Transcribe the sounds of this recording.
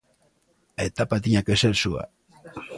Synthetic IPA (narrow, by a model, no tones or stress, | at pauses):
et̪apat̪iɲakeselsua̰